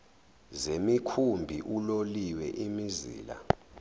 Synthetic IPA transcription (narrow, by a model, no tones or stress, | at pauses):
zemikʰumbʱiʔuloliwɛʔimizḭːla̰